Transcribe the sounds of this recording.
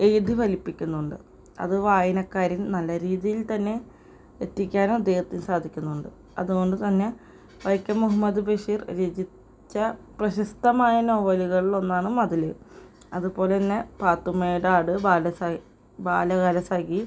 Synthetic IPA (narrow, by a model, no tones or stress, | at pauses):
ejud̪ʱiʋɐlipːikʲːunːuɳɖɨ̰ | ɐ̰ðɨʋaːjinɐkːaːɾinnɐlːɐɾiːðijilt̪ɐnːe̞ | et̪ːikʲːaːnoːɐd̪ːe̞ːhɐt̪ːinsaːd̪ʱikʲːunːuɳɖɨ | ɐ̰ðuɣo̞ɳɖɨt̪ɐnːe̞ | ʋɐjkːɐmːuɦɐmːɐd̪ubɐʂiːrɾed͡ʑi | t͡ɕːɐprɐɕɐst̪ɐmaːjɐno̞ːʋɐliɣɐɭilo̞nːaːɳɨmɐðilɨ | ɐðupo̞ːle̞inːe̞paːt̪ːumeːjɽaːɽɨbaːlɐsa | baːlɐɣaːlɐsaːki